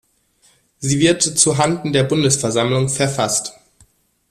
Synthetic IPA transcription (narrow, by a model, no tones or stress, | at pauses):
ziːvɪɐtt͡suɦandn̩deːɐbʊndəsfɛɐzamlʊŋfɛɐfast